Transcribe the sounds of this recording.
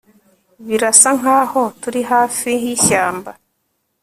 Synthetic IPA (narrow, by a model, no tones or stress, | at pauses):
βiɾasaŋ̥aːhotuɾihaːfiɦiçaːmba